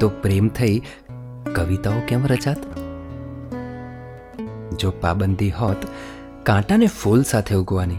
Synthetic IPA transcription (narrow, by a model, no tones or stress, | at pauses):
t̪opɾemt̪ʰəi | kəʋit̪aokɛmɾət͡ʃat̪ | d͡ʒopa̰bənd̪ʱiɦɔt̪ | kãʈanefulsat̪ʰeuɡʋani